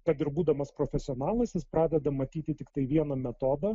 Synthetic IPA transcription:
kɐt̪ɪɾbuːd̪ɐmɐspɾoːfʲɛsʲɪɔːnɑːlˠɐsʲjɪspɾɑːd̪ʲɛd̪ɐmɐt̪ʲiːt̪ʲɪt̪ʲɪkt̪ɐɪʋʲiɛnɐmʲɛt̪oːd̪ɐ

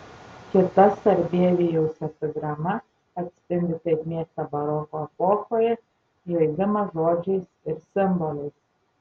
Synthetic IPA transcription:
kʲɪt̪ɐsɐɾʲbʲiɛʋʲijɛʊsʲɛpɔɡɾɐmɐ | ɐt̪ʲsʲpʲɪnʲd̪ʲɪt̪ɐɪkʲmʲiɛkt̪ɐbɐɾɔːkoɛpɔːxoːjɛ | joɪɡʲɪmɐʒoːd͡ʒʲɛɪsɪɾsʲɪmbɔlʲɛɪs

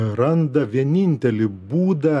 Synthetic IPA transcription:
ɾɐnd̪ɐʋʲiɛnʲɪnʲt̪ʲɛlʲɪbuːd̪ɐ

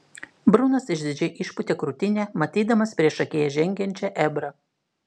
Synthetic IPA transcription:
bɾʊnɐsɪʒʲd̪ʲɪd͡ʒʲɛʔɪʃpʊt̪ʲeːkɾʊt̪ʲɪnʲeːmɐt̪ʲiːd̪ɐmɐspʲɾʲiɛʃɐkʲeːjɛʒʲɛŋʲɡʲɛnʲt͡ʃʲɛʔɛbɾɐ

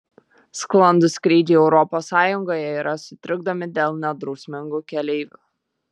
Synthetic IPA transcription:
sklˠɐnd̪ʊsʲkɾʲiːd̪ʲiːɛʊɾɔpoːsɑːjʊŋɡoːjɛiːɾɐsʊt̪ʲɾʲɪɡ̚d̪ɐmʲɪd̪ʲeːlˠnʲɛd̪ɾɔʊsʲmʲɪŋɡuːkʲɛlʲɛɪʋʲṵː

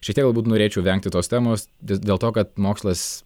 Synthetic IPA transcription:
ʃʲɛkt̪ʲiɛkɡ̪dɐlˠbuːt̪noːɾʲeːt͡ʃʲɛʊʋʲɛŋk̚t̪ʲɪt̪oːst̪ʲæːmoːsd̪ʲedʲeːlˠt̪oːkɐt̪moːkslˠɐs

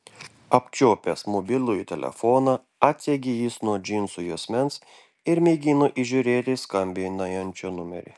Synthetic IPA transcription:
ɐpʲt͡ʃʲoːpʲesmobʲɪlʲˠʊɪt̪ʲɛ̰lʲɛ̰fɔːnɑ | ɑːt̪ʲsʲeɡʲɪjiːsnuɔd͡ʒʲinsʊjusʲmʲɛns | ɪɾmʲɛɪɡʲinʊʔiʒʲʊɾʲeːt̪ʲɪskɐmʲbʲɪnɐjɛnʲt͡ʃʲonʊmʲɛ̰ɾʲɪ̰

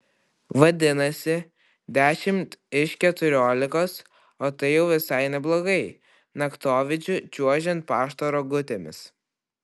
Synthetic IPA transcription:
ʋɐd̪ʲɪnɐsʲɪ | d̪ʲæːʃʲɪmt̪ɪʃkʲɛt̪ʊɾʲoːlʲɪkoːs | oːt̪ɐɪjɛʊʋʲɪsɐɪnʲɛblˠoːɡɐɪ | nɐkt̪oːʋʲɪt͡ʃʲʊt͡ʃʲuɔʒʲɛnt̪̚pɑːʃt̪oːɾoːɡʊt̪ʲeːmʲɪ̰s

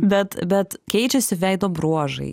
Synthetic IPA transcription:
bʲɛt̪bʲɛt̪kʲɛɪt͡ʃʲɛsʲɪʋʲɛɪd̪oːbɾuɔʒɐ̰ɪ

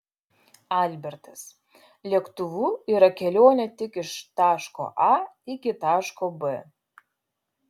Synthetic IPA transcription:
alʲbʲɛɾt̪ɐs | lʲiɛkt̪ʊʋuːiɾɐkʲɛlʲoːnʲɛt̪ʲɪkɪʃt̪ɑːʃko̰ʔɑɪkʲɪt̪ɑːʃkobɨ

